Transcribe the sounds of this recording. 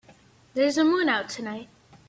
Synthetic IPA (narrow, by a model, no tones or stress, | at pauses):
ðə˞zəmũnaʊtʰɨnaɪt̚